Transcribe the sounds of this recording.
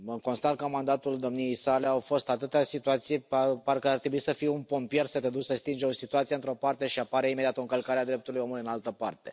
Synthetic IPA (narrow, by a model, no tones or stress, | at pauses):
əko̞nst̪at̪̚kəmand̪at̪uld̪o̞mnijejsaleawfo̞st̪at̪ɨt̪easit̪uat̪sijepaparkəart̪ɾe̞buisəfijeunpo̞mpije̞rsət̪ed̪ussəst̪ind͡ʒeo̞sit̪uat̪sieɨnt̪ɾo̞part̪e̞ʃiapaɾeimed̪ʲiat̪oɨŋkəlkaɾead̪ɾe̞p̚t̪uɾlujo̞muluiɨnalt̪əpart̪e̞